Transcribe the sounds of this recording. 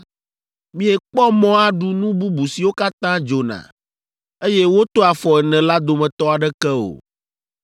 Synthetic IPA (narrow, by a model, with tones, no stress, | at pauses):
mĩ˦ɛ˨k͡pɔ˦mɔ̃˦a˨ɖu˨nũ˦bu˦bu˨si˨wo˦ka˦t̪ã˦d͡ʒo˨nã̰˨ | e˦je˦wo˦t̪o˦a˨fɔ˨ɛ˨nɛ̃˨la˦d̪o˨mɛ̃˨t̪ɔ˦a˨ɖɛ˦kɛ˦o̰˨